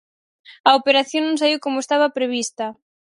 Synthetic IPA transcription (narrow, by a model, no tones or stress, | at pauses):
ɐopeɾaθjoŋnõŋsaβiwkomʊest̪aβɐpɾeβ̞ist̪ɐ